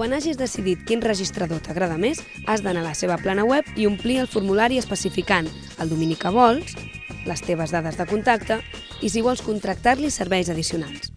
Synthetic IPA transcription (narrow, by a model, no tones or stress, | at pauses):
kkwanaʒizðəsiðit̪kinrəʒist̪ɾəðot̪əɣɾaðəmez | azðənaləseβ̞əplanəwɛpiumpliəlˠfuɾmulaɾiəspəsifikan | əlˠd̪uminikəβ̞ɔlˠs | ləst̪eβ̞əzðaðəzðəkunt̪ak̚t̪ə | is̬iβ̞ɔlˠskunt̪ɾək̚t̪aɾlisəɾβɛjzəðisiunalˠs